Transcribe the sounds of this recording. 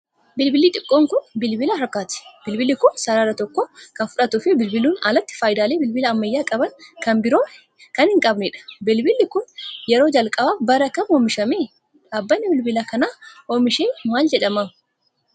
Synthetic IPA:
bɪlbɪliːt̪ʼɪkʼːoːŋkʊnbɪlbɪlahɐɾkːaːt̪ɪ̥b̥ɪlbɪlːɪkʊnsɐɾaːɾɐt̪ɔkːokɐnfʊᶑɐt̪ʊfɪbɪlbɪluːnɐ̰lɐt̪ːɪ̥faːjd̪aːleːbɪlbɪlɐːmːɐjːaːkʼɐbɐnkɐnbɪɾo̞ː | kɐnhɪŋkʼɐbnɛᶑɐ̥bɪlbɪlːɪkʊnjɛɾo̞ːd͡ʒɐlkʼɐbaːfbɐɾɐkɐmoːmɪʃɐmeː | ᶑaːbːɐnːɪbɪlbɪlakɐnaːoːmɪʃeːmaːld͡ʒɛᶑɐma

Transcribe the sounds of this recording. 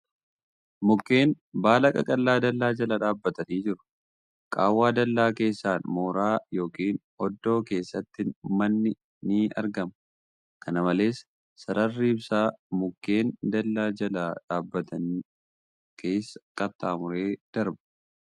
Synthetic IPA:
mʊkːe̞ːn | baːlɐkʼɐkʼɐlːaːd̪ɐlːaːd͡ʒɐlɐᶑaːbːɐt̪ɐniːd͡ʒɪɾʊ̥ | kʼa̰ːwːaːd̪ɐlːaːke̞ːsːaːnmo̞ːɾaːjo̞ːkiːn | ɔd̪ːo̞ːke̞ːsːɐt̪ːɪnmɐnːɪ | nɪiɐ̰ɾɡɐm | kɐnɐmɐle̞ːsː | ɐɾɐrːiːbsaːmʊkːe̞ːnd̪ɐlːaːd͡ʒɐlaːᶑaːbːɐt̪ʰɐn | kʰe̞ːsːɐ̥kʼɐt̪ːaːmʊɾe̞ːd̪̥ɐɾbɐ̥

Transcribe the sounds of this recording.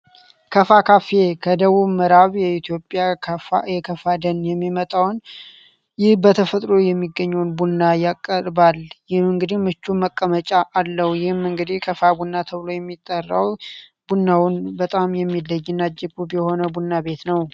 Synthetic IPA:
kʰəfakʰafe̞kʰəd̪əβuβməɾaβjɛit̪ʰjopʼːjafjɛkʰəfad̪ənjɛmːimət̪ʼawn | jɪhbət̪ʰəfət̪ʼɾo̞jɛmːiɡːəɲːəwnbunːajakʼːəɾbaljɪhmɨŋɡɨd̪ihmɨt͡ʃːuməkʼːəmət͡ʃʼaʔalːəhujɪhmɨŋɡɨd̪ihkʰəfabunːat̪ʰəβlo̞jɛmːit̪ʼːərːa̰wbunːawnbət̪ʼamjɛmːilːəjːɨnːad͡ʒɪbubjɛho̞nəbunːabe̞t̪nəw

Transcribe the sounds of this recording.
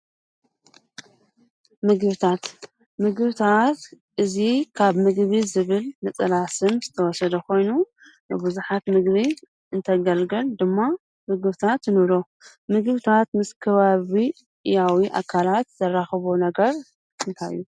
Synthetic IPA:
mɨɡβɨt̪ʰat̪ | mɨɡβɨt̪ʰat̪ | ʔɨzikʰaβmɨɡβizɨβɨlnɨt͡sʼɨlasɨnzɨt̪ʰɐwɔsɐd̪ɐkʰo̞jnu | bɨbuzuħat̪mɨɡβi | ɨnt̪ʰɐɡɐlɡɐld̪ɨmːa | mɨɡβt̪ʰat̪ɨnɨɾo̞ | mɨɡβt̪ʰat̪mɨskʰɐβaβi | ʔɨjawiʔa̰kʰalat̪z̥ɐrːaxɨβonɐɡɐɾ | ɨnt̪ʰajːu

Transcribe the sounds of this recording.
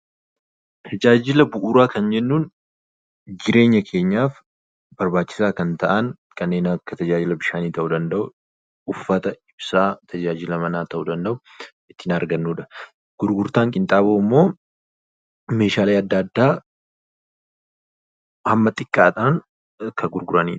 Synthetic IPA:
t̪ʰɐd͡ʒaːd͡ʒɪlɐbʊʔuːɾaːkɐnd͡ʒɛnːuːn | d͡ʒɪɾe̞ːɲːɐkʰe̞ːɲːaːf | bɐɾbaːt͡ʃːɪ̥saːkɐnt̪ɐʔɐn | kʰʼɐnːe̞ːnɐkːɐt̪ɐd͡ʒaːd͡ʒɪlɐbɪʃaːniːt̪ɐʔud̪ɐnd̪ɐʔʊ | ʊfːɐt̪ɐɪbsaːt̪ʰɐd͡ʒaːd͡ʒɪlɐmɐnaːt̪ɐʔud̪ɐnd̪ɐʔʊ | ɪt̪ːɪnɐɾɡɐnːuːᶑɐ | ɡ̥ʊɾɡʊɾt̪aːŋkʼɪnt̪ʼaːboːɪmːo̞ː | me̞ːʃaːleːɐd̪ːad̪ːaː | hɐmːɐt̪ʼɪkʼːaːt̪ʼaːŋ | kʰɐɡʊɾɡʊɾɐnḭːᶑ

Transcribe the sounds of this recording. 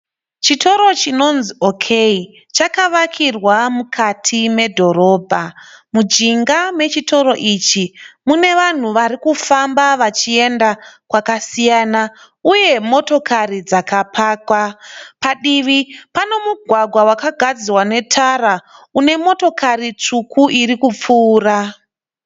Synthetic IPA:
t͡ʃito̞ɾo̞t͡ʃino̞nzio̞kʰei | t͡ʃakaʋakʰirwamukʰatʰime̞dʱo̞ɾo̞ːbʱamud͡ʒiŋɡame̞t͡ʃito̞ɾo̞ʔit͡ʃimune̞ʋan̤uʋaɾikufambaʋat͡ʃie̞ndakwakasijaːna | uje̞mo̞to̞karid͡zakapʰaːkwapaɗiʋipano̞muɡʱwaɡʱwawakaɡʱad͡zirwane̞tʰaɾaune̞mo̞to̞karit͡ʂukʰuʔiɾikup͡fuːra

